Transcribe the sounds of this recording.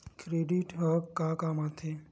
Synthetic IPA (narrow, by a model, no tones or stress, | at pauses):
kɾeɖiʈɦəkːakamat̪ʰe